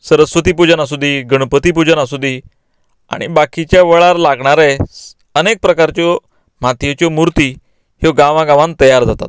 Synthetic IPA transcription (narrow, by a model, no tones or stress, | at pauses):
səɾəsʋət̪ipud͡ʑənasud̪ʱːiɡəɽpət̪ip̬ud͡ʑənasud̪ʱi | a̰ɽ̃ḭbakit͡ɕjaʋəɭaɾlaɡɳaɾɛ | ənek̚pɾəkaɾt͡ɕjɔ | m̤at̪ʰjet͡ɕɔmuɾt̪i | hjɔɡãʋãɡãʋãnt̪əjaɾd͡zat̪a̰t̪̚